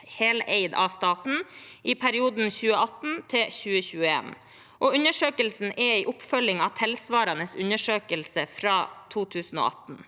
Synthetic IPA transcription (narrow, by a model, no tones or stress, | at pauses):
heːleɪd̪ɑ̰st̪ɑːt̪n̩ʔiːpʰæɾɪuːd̪n̩çʉːəɑt̪n̩t̪ʰɪlçʉːəçʉːəḛːn | ʔoːʉnəʂøːkəlsn̩ʔɛiːʔʊpfœlɪŋɑʋt̪ʰɛlsʋɑːɾɑnəsʉnəʂøːkəlsəfɾɑːt̪ʰuːt̪ʰʉːsn̩o̰ːʔɑt̪n̩